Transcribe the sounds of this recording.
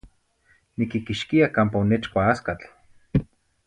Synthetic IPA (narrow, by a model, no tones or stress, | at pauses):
nikikiʃkiakaːmpaonet͡ʃkʷaaskat͡ɬ